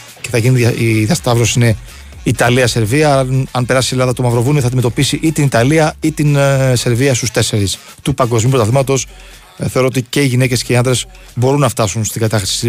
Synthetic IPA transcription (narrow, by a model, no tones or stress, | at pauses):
ceθɐʝiniiðiɐst̪ɐvɾo̞sine | it̪ɐliɐse̞ɾviɐɐnpe̞ɾɐsielɐðɐt̪omɐvɾo̞vuniuθɐd̪imet̪opisiʔit̪init̪ɐliɐit̪inse̞ɾviɐst̪ust̪e̞se̞ɾis | t̪upɐŋɡo̞zmiupɾot̪ɐθimɐt̪o̞s | θe̞o̞ɾoot̪ice̞iʝine̞ce̞sce̞iɐnd̪ɾe̞z | bo̞ɾunːɐft̪ɐsunst̪iɡɐt̪ɐxɾisi